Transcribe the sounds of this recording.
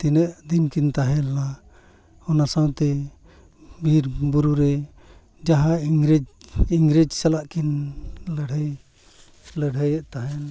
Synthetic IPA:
t̪inəʔd̪inkint̪aɦɛla | hɔnasawt̪ɛ | biɾbuɾuɾɛ | d͡ʒaɦaiŋɾid͡ʒiŋɡɾid͡ʒsalaʔkinləɽʱəj | ləɽəjəʔt̪aɦɛn

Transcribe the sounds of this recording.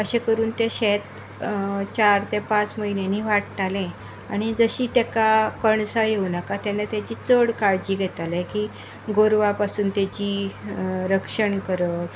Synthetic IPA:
əɕekəɾuːnt̪jeɕet̪ | t͡ɕaɾt̪epãt͡sməɦinjeniːʋaʈʈalẽ | a̰ɽ̃id͡zəɕiːt̪jakakəɳsajeunakat̪anːat̪jat͡ɕiːt͡səɽkaɭd͡ʑiːɡʱɛt̪alɛ̃kiː | ɡoɾʋapasuːnt̪jat͡ɕiː | ɾəkʂəɳkəɾə

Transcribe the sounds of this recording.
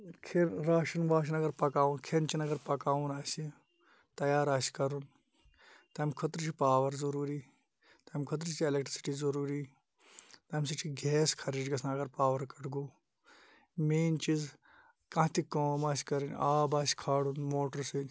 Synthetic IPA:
kʰeɾaːʃɐnʋaːʃ̬inɐɡɐɾpɐkaːunkʰent͡ʃʰinɐɡɐɾpɐkaːunaːsi | t̪ɐjaːɾaːsʲkɐɾun | t̪ɐmkʰot̪ɾit͡ʃʰipaːʋɐɾzɐɾuːɾi | t̪ɐmʲkʰot̪̬ɾit͡ʃʰielekʈɾisi̥ʈiːzɐɾuːɾiː | t̪ɐmʲs̬it͡ʃʰiɡʱeːskʰɐɾiːd͡ʒɡɐsʰnɐɡɐɾpaːʋɐɾkɐʈʰɡoː | meːnt͡ʃiz | kɐ̃ɦt̪ikoːmaːsʲkɐɾinʲaːbaːsi̥kʰaːɽunmoːʈɐɾsinʲ

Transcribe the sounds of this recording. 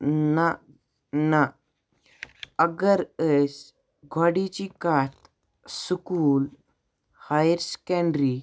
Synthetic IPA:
na | na | əɡəɾəs | ɡʱwaɽit͡ɕikat̪ | sukuːl | hajɾskɛ̃ɳɖɾi

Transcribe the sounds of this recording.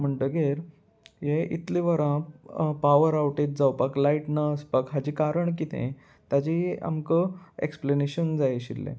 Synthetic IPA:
m̤əɳt̪əɡeɾ | jeḭt̪liʋəɾãpaʋəɾawʈet̪̚d͡zawpaklaiʈnaəspakɦad͡ʑikaɾəɳk̬it̪ʰḛ̃ | t̪ad͡ʑia̰mkəḛkspleneɕənd͡zajɕḭlːḛ̃

